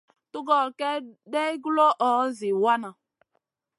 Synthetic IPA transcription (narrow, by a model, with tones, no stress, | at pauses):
tu˦ɡɔ˨kɛ˦de˦ɡu˦lo˦ʔɔ˨˦zi˨wa˦na˨